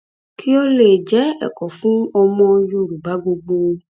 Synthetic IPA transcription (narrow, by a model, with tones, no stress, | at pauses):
ki˦o˦le˨d͡ʒɛ˨˦ɛ̰˨kɔ˨fũ˦ɔ˧mɔ̃˧ju˦˨ɾu˨ba˨˦ɡ͡bo˧ɡ͡bo˧